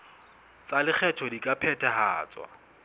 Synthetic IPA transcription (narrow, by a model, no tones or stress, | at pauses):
t͡sʼalɪk͡xʰɛtʰɔdikʼapʰɛtʰʼaɦa̰ːt͡swa̰